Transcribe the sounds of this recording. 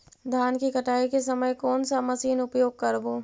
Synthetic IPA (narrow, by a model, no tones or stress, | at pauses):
d̪ʱjaːnkikɐʈaːikesɐməjkɔːnsamɐsiːnʊpjoːɡ̚kɐɾboː